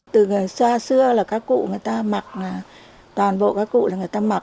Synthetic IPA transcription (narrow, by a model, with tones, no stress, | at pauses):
t̪ɨ˨˩ŋ˨˩əjsaː˧sɨ˧əlaː˨˩kaː˦˥kːṵ˧˨ŋɨ˨˩əjt̪aː˧ma˨˩k̚aː˨˩ | t̪waː˨˩nɓo̰˧˨kaː˨˦˥kːṵ˧˨laː˨˩ŋɨ˨˩əjt̪aː˧ma˨˩